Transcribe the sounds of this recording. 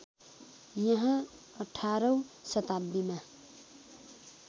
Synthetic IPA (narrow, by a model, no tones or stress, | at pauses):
jʌɦã | ʌʈʰaɾʌ̃sʌt̪abːima